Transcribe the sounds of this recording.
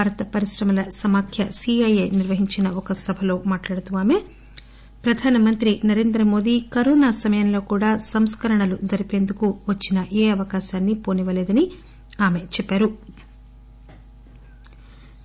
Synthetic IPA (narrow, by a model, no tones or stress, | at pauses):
baːɾɐt̪ɐpɐɾiʂɾɐmɐlɐsɐmaːkʰjɐsiɐjejniɾʋɐɦiɲt͡ʃinɐɔkɐsɐbʱɐlo̞ːmaːʈlaːɽɐt̪uʋaːme̞ | pɾɐd̪ʱaːnɐmɐnt̪ɾinɐɾe̞ːnd̪ɾɐmo̞ːd̪iːkɐɾoːnaːsɐmɐjɐnlo̞ːkuːɽaːsɐmskɐɾɐɳɐlud͡ʒɐɾipe̞ːnd̪ukuʋɐt͡ʃːinɐʔeːɐʋɐkaːʃaːnːipoːniʋɐleːd̪ɐni | aːme̞t͡ʃɛpːaːɾu